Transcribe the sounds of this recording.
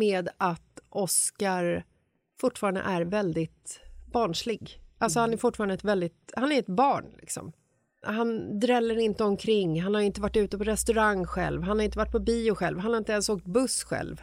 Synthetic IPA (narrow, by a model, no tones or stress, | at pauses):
meːd̪at̪ʔɔskaɾ | fʊʈːfɑːɾand̪ə̰ʔæɾvɛld̪ɪt̪bɑːɳʂlɪɡʔalsɔhanæɾfʊʈːfːɾanɛt̪vɛld̪ɪt̪hanæɾɛt̪bɑːɳlɪ̰ksɔ̰m | hand̪ɾɛlːəɾɪnt̪əɔmkʰɾɪŋːɦanhaɾɪnt̪əvaʈːʉ̟ːt̪əpɔɾɛst̪ɵɾaŋːɧɛ̰lvɦanhaɾɪnt̪əvaʈ̚ːpʰɔbiːʊɧɛlvhanhaɾɪnt̪əɛnsoːk̚t̪̚bɵsɧɛ̰lv